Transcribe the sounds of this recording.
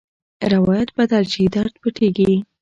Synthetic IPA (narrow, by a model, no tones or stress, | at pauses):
ɾawɑjat̪̚bad̪alt͡ʃid̪aɾt̪̚pəʈʰeɡi